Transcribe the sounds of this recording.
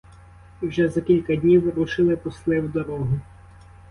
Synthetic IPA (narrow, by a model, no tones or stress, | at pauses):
wʒɛzɐkʲilʲkɐd̪ʲnʲiwɾuʃɪlˠɪpɔslˠɪwd̪ɔɾɔɦʊ